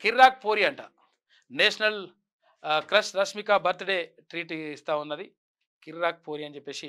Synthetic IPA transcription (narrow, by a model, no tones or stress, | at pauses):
kiɾɾaːk̚poːɾiɐɳʈa | neːsɐnɐl | kɾɐsɾɐʃmikabɐɾt̪ɐɽeː | ʈɾiːʈist̪aːunːɐd̪i | kiɾɾaːk̚poːɾiɐnt͡ʃepːeːsi